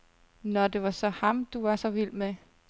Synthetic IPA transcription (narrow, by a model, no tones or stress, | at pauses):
nɒd̥e̝ʋɑ̈sɒ̽hɑ̈md̥uʋɑ̈sɒ̽ʋil̰me